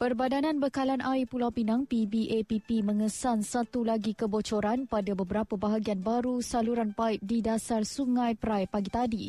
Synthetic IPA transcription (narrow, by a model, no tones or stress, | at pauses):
pərbadanãnbəkalanʔajpulawpinãŋpibiʔepipimə̃ŋəsansat̪ulaɡikəbot͡ʃoɾanpadabəbəɾapəbaɦaɡianbaɾusaluɾanpaɪp̚didasarsuŋãjpɾajpaɡit̪adi